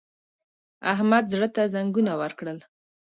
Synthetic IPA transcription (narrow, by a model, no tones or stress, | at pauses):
aɦmad̪zɽət̪azaŋɡunawəɾkɽəl